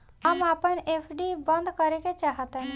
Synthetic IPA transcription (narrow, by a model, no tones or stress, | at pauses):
əmaːpənepʰɖibənd̪kəɾeket͡ʃaːɦət̪ən